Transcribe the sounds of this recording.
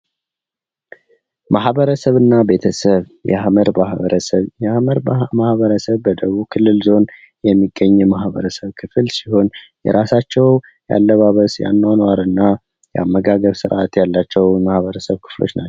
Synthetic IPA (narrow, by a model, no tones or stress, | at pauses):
maɦβəɾəsəβɨnːabe̞t̪ʰəsəβ | jɛ̰hməɾahə̰ɾəsəβjɛhməɾmahβəɾəsəβbəd̪əβukʰɨlːɨlzo̞n | jɛmːiɡəɲːɛmahβə̰ɾəsəβkʰɨfɨlsiho̞njɛ̰ɾʔasat͡ʃːɛw | ja̰lːəβaβəsja̰nːwanwaɾɨnːa | jɛʔamːəɡaɡəβsɨɾʔat̪jalːat͡ʃːɛwmahβəɾəsəβkʰɨ̥flo̞̰t͡ʃːnat͡ʃː